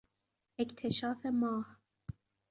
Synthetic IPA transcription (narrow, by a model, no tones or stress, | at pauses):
ʔekt̪ʰeʃɑːfemɑːh